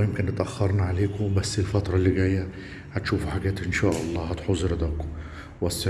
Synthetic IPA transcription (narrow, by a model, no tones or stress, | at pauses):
jɪmkɪnɪt̪ʔæxːɑɾˤnaʕaleːkʊbæsːɪlfɑt̪ɾˤɑlːɪɡæːjːæ | hæt̪ʃuːfuħaɡæːt̪ʔɪnʃæːʔɑlˤːɑːhæt̪ħozˤɾd̪ækʊ | wæsː